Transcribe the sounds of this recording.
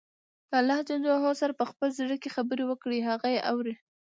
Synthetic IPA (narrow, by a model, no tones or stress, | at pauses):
d̪alːɑhd͡ʒand̪oɦosaɾapəxpəlziɽəkexabəɾewəkɽiɦaɣajeʔawɾi